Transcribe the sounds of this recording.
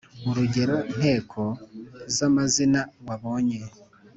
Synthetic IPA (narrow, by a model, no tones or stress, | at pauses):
uɾuɟe̞ɾo̞n̥he̞ːkʰo̞zamazinaɾwaβo̞ːɲe̞